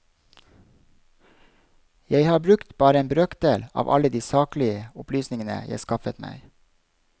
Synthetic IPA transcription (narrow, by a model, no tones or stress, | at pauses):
jæɪhɑːbɾʉkt̪b̥ɑːɾəeːmbɾøːk̪̚d̪eːlɑ̰ːʋʔɑ̰ləd̪iːsɑːklɪəʊplyːsnɪŋənə̰jæ̰ɪskɑfət̪mæ̰ɪ